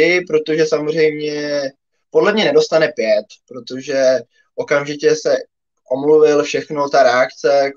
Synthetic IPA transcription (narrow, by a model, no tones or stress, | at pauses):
ɪpɾo̞t̪o̞ʒɛsamor̝ɛjmɲɛ | po̞dlɛmɲɛnɛdo̞st̪anɛpjɛt̪pɾo̞t̪o̞ʒɛ | ʔo̞kamʒɪcɛsɛ | ʔo̞mluvɪlfʃɛxnot̪aɾɛakt͡sɛ